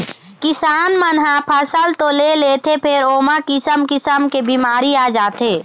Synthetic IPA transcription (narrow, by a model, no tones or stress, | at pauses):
kɪsaːnmənɦãpʰəsəlt̪oleleːt̪ʰepʰɪɾoːmakɪsəmkɪsəmkebiːmaːɾiaːd͡ʒaːt̪eː